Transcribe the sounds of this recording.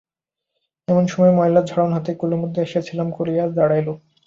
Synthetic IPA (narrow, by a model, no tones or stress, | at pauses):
ɛmonʃɔmɔemɔjlad͡ʑʱɔɽonɦat̪ekulomod̪ʱːeaʃiet͡ɕʰilamkoɾijaɾd̪aɽajlo